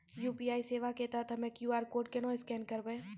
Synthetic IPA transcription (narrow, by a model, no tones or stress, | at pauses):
juːpiːaːiseːʋaket̪at̪ʰɐmɛ̃kjuːaːɾkoːɾɖ̚kenɔ̃ːɪskɛːnkɐɾbẽː